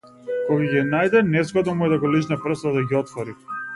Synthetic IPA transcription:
kɔɡaɡinajd̪ɛnɛzɡɔd̪ɔmuɛd̪aɡɔlit͡ʃnɛpr̩st̪ad̪aɡʲiɔt̪vɔɾi

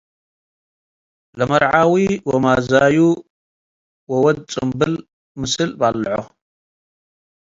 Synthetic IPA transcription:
lɐmɐɾʕawiwɔmazaju | wɔwɔd̪̚t͡sʼɨmbɨl | mɨsɨlbalːʕo

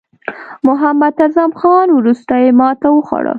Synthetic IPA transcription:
mʊɦamad̪azamxɑnwɾust̪ajemɑt̪awəxwa̰ɽə̰

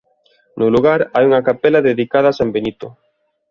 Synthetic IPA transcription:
nʊluɣaɾajuŋɐkapɛlɐðeðikaðɐasambenit̪ʊ

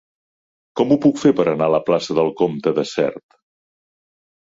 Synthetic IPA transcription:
kɔmupukfepəɾənaləplasəðəlˠkomt̪əðəsɛ̰ɾt̪

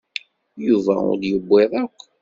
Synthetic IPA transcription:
juvæ̰ʊ̰ɾjəbːɪðˤækʷː

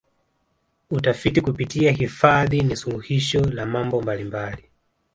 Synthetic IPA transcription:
utafitikupitiahifaðinisuluhiʃɔlamambɔmbalimbali

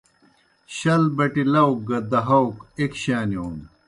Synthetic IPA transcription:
ɕɐlbɐʈilɐwk̚ɡɐd̪ɐɦɐwkekɕaːnioːn

